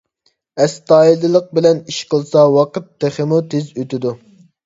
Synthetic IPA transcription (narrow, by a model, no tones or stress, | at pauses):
ɛst̪ɑːilɨlˠəq̚bɪlɛniʃqəlˠsɑwɑqət̪ːeχɪmut̪ʰezøt̪ɪd̪u